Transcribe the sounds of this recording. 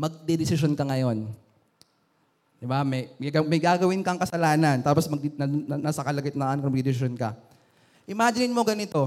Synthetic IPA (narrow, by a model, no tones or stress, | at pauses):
mɐɡ̚d̪ɛd̪ɪsɪʃonkɐŋɐjo̞n | d̪ɪbamɐjɡɐmɐjɡaːɡɐwɪnkɐŋkɐsɐlaːnɐnt̪aːposmɐɡ̪̚nɐnasɐkɐlɐɡɪt̪nɐʔankɐmɐɡd̪ɛd̪ɪsɪʃonkɐ | ʔɪmaːd͡ʒɪnɪnmoɡɐnɪt̪o̞